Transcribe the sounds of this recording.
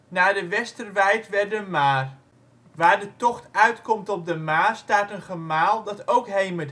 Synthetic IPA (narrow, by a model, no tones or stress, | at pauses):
naːdəʋɛstərʋɛjtʋɛrdəmaːr | ʋaːrdətɔxtœɥtkɔmtɔp̚dəmaːstaːtənχəmaːlˠdɑtowkɦejməd